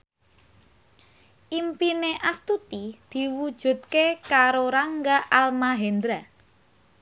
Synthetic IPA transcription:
ʔimpineʔast̪ut̪id̪̥i̤wud̥ʒ̥ṳt̪̚kekaɾoɾaŋɡaʔalmaɦend̪ɾa

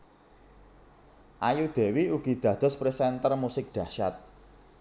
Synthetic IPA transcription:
ʔajud̪̥e̤wiuɡ̥i̤d̪̥ä̤d̪̥ɔ̤spɾisɛnt̪ərmusɪk̚ɖ̪̥ä̤ʃa̰t̪̚

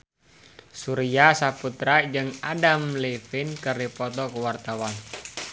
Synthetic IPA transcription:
suɾiasaput̪ɾad͡ʒɨŋadamlefinkərdipɔt̪ɔkuwart̪awan

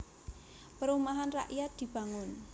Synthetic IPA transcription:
pəɾumaɦanraʔjat̪̚d̪̥i̤b̥ä̤ŋʊn

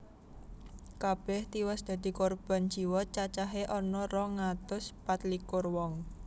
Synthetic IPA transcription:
kab̥ɛht̪iwɛsd̪̥ä̤d̪̥i̤kɔrb̥a̤nd͡ʒiwɔt͡ʃat͡ʃaɦeʔɔnɔrɔŋat̪ʊspat̪likʊrwɔŋ

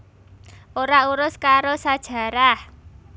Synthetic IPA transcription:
ʔoɾauɾʊskaɾosad̥ʒ̥ä̤ɾah

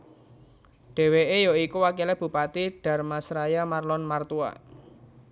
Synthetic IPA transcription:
ɖ̥e̤weʔejɔikuwakileb̥ṳpat̪iɖ̥ä̤rmasɾajamarlɔnmart̪ua̰

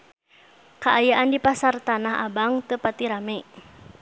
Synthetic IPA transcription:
kaʔajaʔandipasart̪anaɦa̰baŋt̪əpat̪iɾamɛ

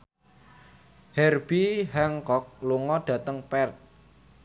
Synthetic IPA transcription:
hɛrb̥iɦɛŋkɔk̚luŋɔɖ̥ä̤t̪əŋpɛrt̪̚

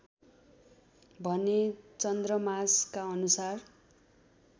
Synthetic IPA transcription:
bʱʌnet͡sʌnd̪rʌmaskaʌnusar

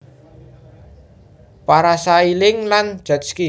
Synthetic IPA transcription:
paɾasailɪŋland̥ʒ̥a̤t̪̚ski

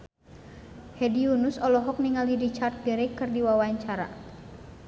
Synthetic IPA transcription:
hɛdiunusɔlɔɦɔk̚niŋalidit͡ʃart̪̚diɾɛkːɨrdiwawaɲt͡ʃaɾa̰

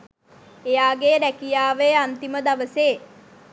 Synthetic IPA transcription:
ejaːɡeːɾækijaːʋeant̪iməd̪aʋəseː

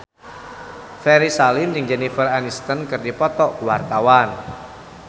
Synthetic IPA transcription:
fɛɾisalinjɪŋd͡ʒɛnifəranist̪ənkərdipɔt̪ɔuwart̪awan

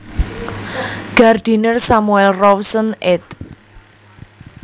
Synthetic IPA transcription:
ɡ̥ard̪̥i̤nərsamuɛlrɔwsənʔɪt̪̚

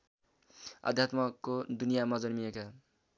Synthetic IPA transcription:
ʌ̰d̪ʱjat̪mʌkːod̪unijamʌd͡zʌnmijeka

